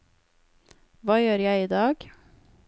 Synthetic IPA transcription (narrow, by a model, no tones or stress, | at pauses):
ʋɑːjøːɾjæɪiːd̪ɑːɡ̥